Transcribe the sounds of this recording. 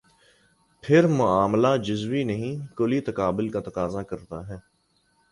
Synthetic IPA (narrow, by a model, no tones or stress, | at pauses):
pʰɪɾmʊaːmlad͡ʒʊzwinɐɦĩkolit̪ɐkaːbɪlkat̪ɐqaːzakɐɾt̪aɦɛː